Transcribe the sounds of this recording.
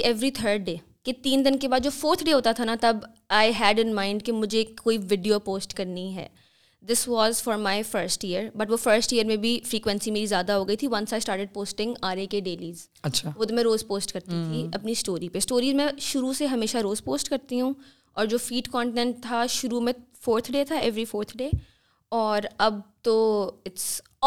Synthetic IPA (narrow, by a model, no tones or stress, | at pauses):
ɛʋɾit̪ʰəːɾɖɖeː | ket̪iːnd̪ɪnkebaːd̪̚d͡ʒoːfoːɾt̪ʰɖeːɦoːt̪at̪ʰanat̪ɐb | aːɪɦɛːɖɪ̃nmãːɪ̃ɳɖkemʊd͡ʒʱekːoːiʋɪɖijopoːsʈkɐɾniɦɛ̰ː | d̪ɪsʋɔːzfɔːɾmaːɪfəɾsʈiəɾbɐʈʋofəɾsʈiəɾmẽbʱifɾiːkʋɛ̃nsimeːɾizjaːd̪aɦoːɡɐit̪ʰiʋɐ̃nsaɪsʈaːɾʈeɖ̚poːsʈɪ̃ŋɡaːɾekeɖeːliːz | ɐʃʰaʋoːt̪omɛ̃ɾoːzpoːsʈkɐɾt̪it̪ʰiɐpnisʈoːɾipesʈoːɾiːzmɛ̃ʃʊɾuseɦɐmeːʃaɾoːzpoːsʈkɐɾt̪iɦũ | ɔːɾd͡ʒoːfiːɖkɔ̃ːɳʈɪnɛ̃ɳʈ̚t̪ʰaʃʊɾumẽfoːɾt̪ʰɖeːt̪ʰaɛʋɾifoːɾt̪ʰɖeː | ɔːɾɐb̚t̪oɪʈs